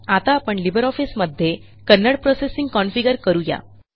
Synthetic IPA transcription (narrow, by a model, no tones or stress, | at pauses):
at̪aːpəɳlibʱəɾɔfisməd̪ʱːje | kənːəɽpɾosesiŋɡkɔnfiɡəɾkəɾuja̰